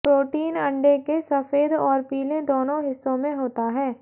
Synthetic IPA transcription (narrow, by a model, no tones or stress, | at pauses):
pɾoːʈiːnɐ̃ɳɖekesɐfeːd̪ɔːɾpiːlẽd̪oːnõɦɪsːõmẽɦoːt̪aɦɛː